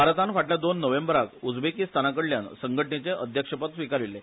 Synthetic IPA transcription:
baɾt̪anfaʈljad̪onːəʋembəɾakud͡zbekiːst̪ʰanakəɽljansəŋɡʱəʈnet͡ɕeʔəd̪ʱjəkʂəpət̪sʋikaɾilːe

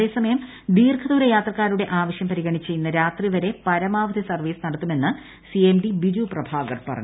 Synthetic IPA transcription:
e̞ːsɐmɐjɐm | d̪iːrkʰɐðuːɾɐjaːt̪rɐkːaːɾuɽe̞ʔaːʋɐɕjɐmpɐɾiɣɐɳit͡ɕːejunːɐɾaːt̪riʋɐɾe̞pɐɾɐmaːʋɐd̪ʱisɐrʋiːsɨnɐɽɐt̪ːume̞nːɨ | siemɖibiɾuprɐbʱaːɡɐrpɐ̰rɐ̰ɲː

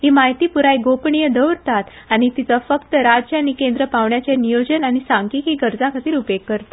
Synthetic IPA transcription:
ɦimaɦit̪ipuɾajɡopɳijəd̪əwɾt̪at̪ | añit̪it͡səfəkt̪əɾad͡ʑanikẽnd̪ɾəpaʋɳjat͡ɕjanijod͡ʑənañisãŋkikiɡəɾd͡zakʰat̪iːɾupekːəɾt̪e̥

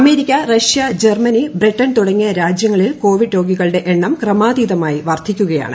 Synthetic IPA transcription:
ɐme̞ːɾikʲːɐrɐʂjɐd͡ʑermɐnibriʈːɐnt̪uɽɐŋːijɐɾaːd͡ʑjɐŋːɐɭilko̞ːʋiɖɾo̞ːɡiɣɐɭɨɽe̞ʔeɳːɐmkrɐmaːd̪iːðɐmaːjiʋɐrt̪ʰikʲːuɣɐja̰ːɳɨ̰

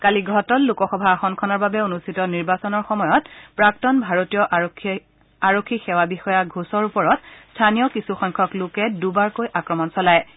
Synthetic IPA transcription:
kaliɡʱɔtɔlːukɔxɔbʱaːxɔnkʰɔnɔɹbabɛonustʰitɔniɹbasɔnɔɹxɔmɔjɔtpɹaktɔnbʱaɹotijɔʔ | aɹokʰːixɛwabixɔjaɡʱusɔɹupɔɹɔtstʰanijɔkisuxɔjŋkʰɔklʊkɛdubaɹkojʔakɹɔmɔnsɔlaj

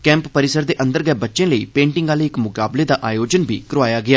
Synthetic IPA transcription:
kɛ̃ːmppəɾɪsəɾd̪eːʔə̃nd̪əɾɡɛːbətːʃẽːləiːpẽːɳʈɪ̃ŋɡaːləːɪkmʊkaːbleːd̪aːʔaːjoːd͡ʒənbʱḭːkəɾʋaːjaːɡɪaː

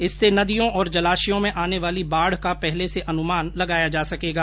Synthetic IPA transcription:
ɪsːenɐd̪ijõʔɔːɾd͡ʒɐlaːʃijõmẽʔaːneʋaːlibaːɽ̤kapɛɦleseʔɐnʊmaːnlɐɡaːjad͡ʒaːsɐkeːɡaː

